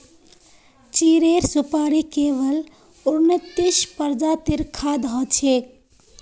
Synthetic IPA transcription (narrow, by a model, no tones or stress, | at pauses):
t͡ʃiɾeɾsupaɾikeʋəl | uɾnət̪iʃpəɾd͡ʒat̪iɾkʰad̪ɦɔt͡ʃʰe